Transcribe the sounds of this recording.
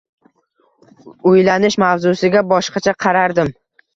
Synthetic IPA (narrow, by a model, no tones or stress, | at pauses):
ʊjlanɪʃmavzʊsɪɡʲabɒʃqɑt͡ʃʰaqʰɑɾaɾd̪ɪm